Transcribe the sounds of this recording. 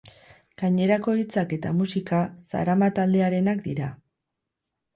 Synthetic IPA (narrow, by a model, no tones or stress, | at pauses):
ɡ̥aɲe̞ɾako̞it͡sake̞t̪amusikasa̰ɾamat̪ald̪e̞aɾe̞nakd̪iɾa